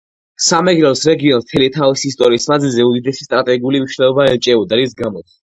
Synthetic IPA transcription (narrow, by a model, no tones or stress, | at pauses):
samɛɡɾɛlsɾɛɡiɔnt̪ʰɛlit̪ʰavisist̪ʼɔɾiːsmad̪zilzɛud̪id̪ɛsi̥st̪ʼɾat̪ʼɛɡiulimniʃnɛlˠɔbaɛlt͡ʃʼɛud̪aɾisɡamɔt̪